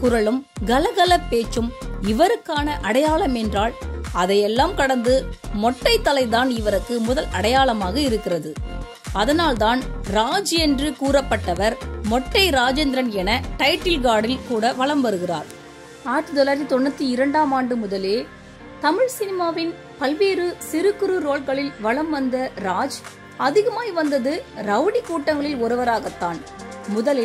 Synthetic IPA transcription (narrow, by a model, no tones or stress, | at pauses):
kʊɾɐɭɯmɡɐlɐɣɐlɐpːeːt͡ʃːɯmɪʋɐɾɯkːaːnɐʔɐɽɐjaːɭɐmɛndraːɭɐðɐɪɛlːaːmkɐɽɐnd̪ɯmɔʈːɐɪt̪ːɐlɐɪðaːnɪʋɐɾɯkːɯmʊðɐlɐɽɐjaːɭɐmaːɣɐɪɾɯkːɪrɐðɯ | ɐðɐnaːlt̪aːnɾaːd͡ʒɯɛndrɯkuːɾɐpːɐʈːɐʋɐɾmɔʈrɐɪɾaːd͡ʒɛnd̪ɾɐnɛnɐʈɐɪʈːɪlɡaːɽɪlkuːɽɐʋɐɭɐmʋɐɾɯɣɪra̰ːɾ | aːɾʈ̪ːɯd̪ɔlaːɾt̪ːit̪ɔɳːɐt̪ːiɪɾɐɳɖaːmaːɳɖɯmʊðɐleː | t̪ɐmɪɻsɪnɪmaːʋɪn | pɐlʋeːɾɯsɪɾɯkːɯɾɯɾoːɭɣɐɭɪlʋɐɭɐmʋɐnd̪ɐɾaːd͡ʒ | ɐðɪɣɐmaːjiʋɐnd̪ɐðɯɾɐʋɽikːuːʈːɐŋɡɐɭɪlɔɾɯʋɐɾaːɣɐt̪ːaːnmʊðɐlɪ